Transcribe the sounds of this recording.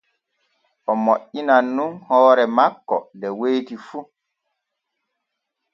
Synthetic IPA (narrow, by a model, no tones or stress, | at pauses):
ʔɔmoʔːinanːunhɔːɾɛmakːɔ̰dɛwejtifu